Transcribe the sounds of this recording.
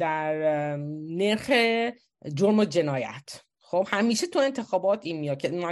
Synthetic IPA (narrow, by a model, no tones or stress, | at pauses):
d̪æɾ | ne̞ɾxe | d͡ʒoɾmod͡ʒe̞nɒːjæ̰t̪ʰ | xobhæmiːʃet̪ʰue̞nt̪ʰe̞xɒːbɒːt̪ʰiːnmijɒkʰemæ